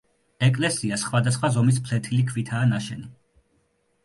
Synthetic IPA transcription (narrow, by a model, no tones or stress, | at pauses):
ɛkʼlɛsiasχwad̪asχwazɔmis̬pʰlɛt̪ʰilikʰvit̪ʰaːnaʃɛni